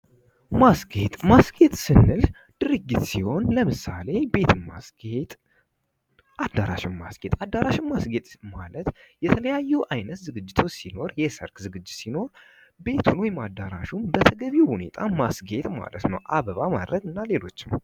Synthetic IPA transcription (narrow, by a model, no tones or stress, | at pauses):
masɡe̞t̪ʼmasɡe̞t̪ʼsɨnːɨl | d̪̥ɨɾɨɡːit̪siho̞nləmɨsale̞be̞t̪ʰɨmmːasɡet̪ʼ | ʔad̪aɾa̰ʃɪmma̰sɡ̥e̞t̪ʼad̪ːaɾaʃɪmːasɡe̞t̪ʼmalət̪jɛt̪ʰələjajːɛʔajnət̪zɨɡɨd͡ʒːɪt̪ʰo̞t͡ʃːsino̞ɾjɛsə̰ɾkzɨɡɨd͡ʒːɪt̪sino̞ɾ | be̞t̪ʰunwɔjmad̪aɾaʃunbət̪ʰəɡəβiwhune̞̰t̪ʼʰamasɡe̞t̪ʼma̰lət̪nəwʔaβəβama̰d̪ɾəɡ̪ɨnːale̞lo̞̰t͡ʃːɪm